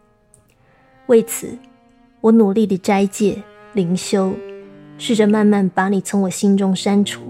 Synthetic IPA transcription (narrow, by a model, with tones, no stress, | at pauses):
we˥˩ɪt͡sʰɹ̩˨˩˦ | wɔ˧˥nu˨˩li˥˩d̪ə˨ʈ͡ʂa˥ɪt͡ɕjɛ˥˩ | li˨˥ŋɕjo˥ʊʂɻ̩˥˩ʈ͡ʂə˨ma˥˧nma˥˩npa˨˧˥ni˨˩t͡sʰʊ˧˥ŋwɔ˨˩ɕi˥nʈ͡ʂʊ˥ŋʂa˥nʈ͡ʂʰṵ˨˦